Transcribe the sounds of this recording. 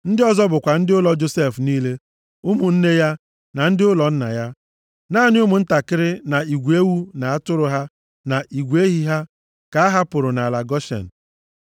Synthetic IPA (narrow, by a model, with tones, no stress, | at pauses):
n̩˦dɪ˦ɔ˦zɔ˦bʊ˨kʷa˨n̩˦dɪ˦ʊ˦lɔ˦d͡ʒo˦se˦˨fniː˦le˦ | ʊ˦mu˨n̩˦ne˦ja˦ | na˨n̩˦dɪ˦ʊ˦lɔ˨n̩˦na̰˨ja˦ | naː˦˨nɪ˦ʊ˦mʊ˨n̩˦ta˨kɪ˦ɾɪ˦na˨i˨ɡʷe˦wu˦na˨a˦tʊ˦ɾʊ˨ɦa˦ | na˨ʔi˨ɡʷe˦ɦi˦ɦa˦ | ka˨˦a˦ɦa˦pʊ˨ɾʊ˨na˨la˨ɡɔ˦ʃḛ˨n̩˨